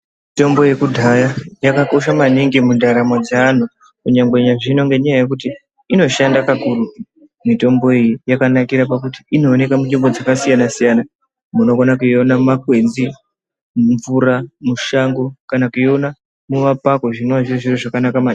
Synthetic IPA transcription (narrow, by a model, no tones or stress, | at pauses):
mito̞mbo̞je̞kudʱajajakako̞ʃ̬amaniŋɡimundaɾamwad͡zaːn̤u | kuɲaŋɡeɲaʐino̞ŋɡe̞ɲajaje̞kuti | ino̞ʃandakakuːru | mito̞mbo̞ijijakanakiɾapakuti̥ino̞ːne̞kamutimbo̞d͡zakasijanasijana | muno̞konakuio̞namakwe̞d͡zi | muɱvuɾamuʃaŋɡo̞kanakuio̞na | muʋapako̞ʐinoʋaʐoʐiroʐakanakama